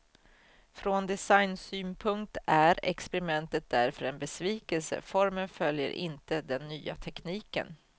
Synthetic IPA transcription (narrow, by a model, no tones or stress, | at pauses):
fɾond̪ɛsajnsyːnpʰɵŋkt̪æɾɛ̰kspɛɾɪmɛnt̪ət̪̚d̪æɾfœɾɛnbɛsviːkəlsə̰fɔɾmənfœljə̰ɾʔɪ̰nt̪əd̪ɛnːyːa̰t̪ʰɛkniːkə̰n